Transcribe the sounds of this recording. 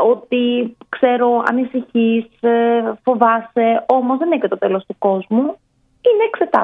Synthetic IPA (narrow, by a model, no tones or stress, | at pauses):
ot̪ikse̞ɾo̞ɐ̰nisiçisfo̞vɐse̞o̞mo̞zðe̞neçet̪o̞t̪e̞lo̞st̪uko̞zmu | ine̞ːkse̞t̪ɐ̰